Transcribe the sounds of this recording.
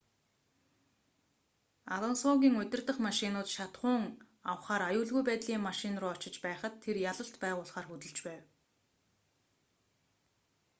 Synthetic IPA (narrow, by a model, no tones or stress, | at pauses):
aɮɔnsɔɣʲiːŋɵt̪ʲɪ̆rt̪ə̆χmaʃinʊːt̪ʃat̪χʊːŋ | awχaːɾajʊːɮɣujpæːt̪ɮiːŋmaʃɪnrʊːɔt͡ɕɪ̆t͡ɕpæːχə̆t̪ʰːerjaɮə̆ɬt̪pæːʁʊːɮχaːrxɵt̪ɵ̆ɮt͡ɕpæːw